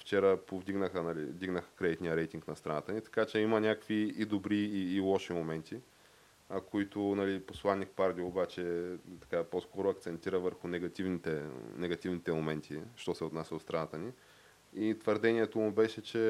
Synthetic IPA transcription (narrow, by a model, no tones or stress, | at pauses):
ft͡ʃɛɾəpovd̪iɡnəxənɐlḭvd̪iɡnəxə̥kɾɛd̪it̪nʲijəɾɛjt̪iŋknɐst̪ɾɐnat̪ənʲit̪ɐ̥kat͡ʃɛimɐnʲakəkviid̪obɾiːlˠɔʃimomɛnt̪ʰi | koit̪ʊnɐliposlˠanːikpaɾd̪ʲiobat͡ʃɛt̪ɐ̥kaposkɔɾʊɐkt̪sɛnt̪iɾəvəɾxʊnɛɡɐt̪ivnit̪ɛnɛɡɐt̪ivnit̪ɛmomɛnt̪ʰiʃt̪ɔsɛot̪nasʲəd̪ot̪st̪ɾɐnat̪əni | it̪vəɾd̪ɛniɛt̪omʊbɛʃɛt͡ʃɛ